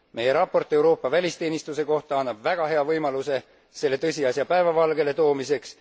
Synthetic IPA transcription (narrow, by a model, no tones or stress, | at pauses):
me̞je̞ɾɑpːˑo̞rt̪ːˑe̞wɾo̞ːpːˑɑvælʲist̪e̞ːnist̪use̞ko̞ht̪ɑɑnːɑb̥væɡ̥ɑɦe̞ɑvɤjmɑluse̞ | se̞lːe̞t̪ɤsʲiɑsjɑpæe̞vɑvɑlɡe̞le̞t̪o̞ːmise̞ks